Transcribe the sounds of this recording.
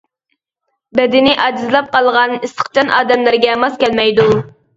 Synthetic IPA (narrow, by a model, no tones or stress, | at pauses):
bɛd̪ɪnɪʔɑd͡ʒizlˠɑp̚qɑlˠʁɑnist̪ə̥χt͡ʃʰɑnʔɑ̰ːd̪ɛmlæɾɡʲɛmɑskʲɛlmɛjd̪u